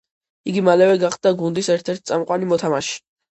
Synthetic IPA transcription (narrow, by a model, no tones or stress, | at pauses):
iɡimalɛvɛɡaχd̪̚d̪aɡund̪isɛɾt̪ʰɛɾt̪̚ʰt̪sʼamqʼwanimɔt̪ʰamaʃi̥